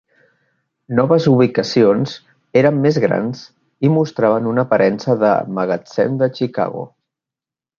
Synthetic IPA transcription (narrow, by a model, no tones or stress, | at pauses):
nɔβəzuβikəsionz | eɾəmːezɣɾa̰nz | imust̪ɾaβ̞ənunəpəɾʔɛnsəðə̰məɣət͡sɛ̰nd̪ət͡ʃika̰ɣo̰